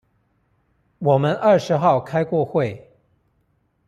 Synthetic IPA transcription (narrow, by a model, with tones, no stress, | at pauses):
wɔ˨˩mə˦nʔə˥˩ʂɻ̩˧˥xɑ˥˨ʊkʰa˥ɪkwɔ˥˧xwe˥˨˩ɪ